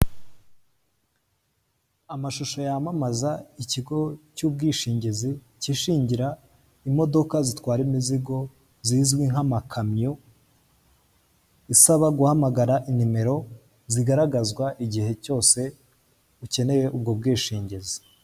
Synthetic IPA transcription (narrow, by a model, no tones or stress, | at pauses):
amaʃoʃo̞jamamazaiciɡo̞cuːb̚ɡiːʃiːɲɟezi | ciʃiːɲɟiɾa | imo̞do̞kazitwaːɾimiziɡo̞ | ziːzɡwiŋhamakʰamɲu | isaβaɡuhamaɡaɾaʔinime̞ɾo̞ | ziɡaɾaɡazɡwaʔiɟihe̞co̞ːse̞ | uce̞ne̞je̞ʔubɡob̚ɡiːʃiːɲɟezi